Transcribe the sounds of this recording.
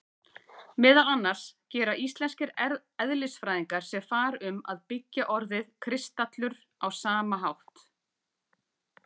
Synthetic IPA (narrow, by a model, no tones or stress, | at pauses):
mɛːðalanːaɾ̥scɛːɾaʔist̪lɛnscɪɾ | ɛðlɪsfɾajðiŋkaɾ̥sɛfaːɾʏma̰ðpɪcːaʔɔɾðɪðkʰɾɪst̪at̪lʏɾ | awsaːmaɦawht̪